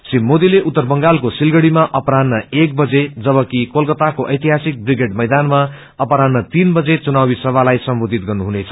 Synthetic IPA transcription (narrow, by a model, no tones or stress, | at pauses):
simːod̪ileʔut̪ːʌrbʌŋɡalkosilɡʌɽimaʔʌpɾanːʌek̚bʌd͡zed͡zʌβʌkikolkʌt̪akoʔʌjt̪iɦasik̚briɡeɖmʌjd̪anma | ʌpɾanːʌt̪inbʌd͡zet͡sunabisʌbʱalajsʌmbod̪ʱit̪̚ɡʌrnuɦunet͡sʰʌ̥